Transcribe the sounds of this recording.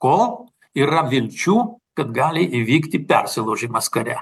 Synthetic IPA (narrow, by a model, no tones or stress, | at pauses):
kɔ | irɐʋʲɪlʲt͡ʃʲukɐt̪ɡalʲiʔɪʋʲikt̪ʲɪpʲɛ̰rsʲɪlˠoʒɪmɐskɐɾʲæ̰